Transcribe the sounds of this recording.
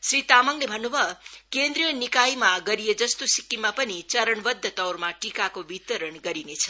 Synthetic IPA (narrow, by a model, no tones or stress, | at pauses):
sɾit̪amʌŋlebʱʌnːubʱʌkend̪rijʌnikajmaɡʌɾijed͡zʌst̪osikːimapʌnit͡sʌɾʌɳbʌd̪ʱːʌt̪ʌwrmaʈikakobit̪ʌɾʌɳɡʌɾinet͡sʰʌ̥